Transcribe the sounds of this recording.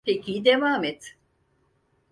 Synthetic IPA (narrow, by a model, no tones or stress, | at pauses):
pʰecʰid̪evaːmet̪